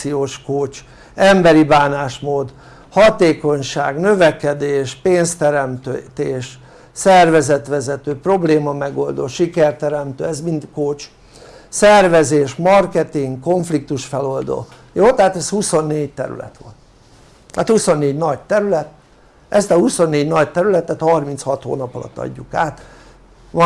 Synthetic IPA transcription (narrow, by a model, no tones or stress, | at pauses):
ijoːʃkoːt͡ʃ | ɛmbɛɾibaːnaːʃmoːd̪ | hɒt̪eːko̞ɲʃa̰ːɡnø̞vɛkɛd̪eːʃpeːnst̪ɛɾɛmt̪øt̪eːʃ | sɛrvɛzɛt̪ʋɛzɛt̪øːpro̞bleːmɒmɛɡo̞ld̪o̰ːʃikɛrt̪ɛɾɛmt̪øːɛzmint̪koːt͡ʃ | sɛrvɛzeːʃmɒrkɛt̪iŋɡko̞ɱflik̚t̪uʃfɛlo̞ld̪o̰ː | joːt̪ɛɦat̪ɛshuso̞nːeːɟt̪ɛ̰ɾy̰lɛ̰t̪ʋo̰n | aːt̪huso̞nːeːɟnɒɟt̪ɛɾylɛt̪ | ʔɛst̪ɒhuso̞nːeːɟnɒɟt̪ɛɾylɛt̪ɛt̪hɒrmint̪shɒt̪ho̰ːnɒpɒlɒ̰t̪ːɒ̰ɟːukaːt̪ | ʋ